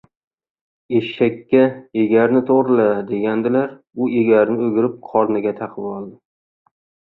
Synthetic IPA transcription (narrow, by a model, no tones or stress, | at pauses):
eʃʃakʲːaeɡʲaɾnɪt̪ʰoʁɾɪlad̪e̞ɡʲand̪ɪlaɾ | ʊeɡʲaɾnɪɵɡʲɪɾɪp̚qʰɒɾnɪɡʲat̪ʰɑqʰɨbɒlˠd̪ɪ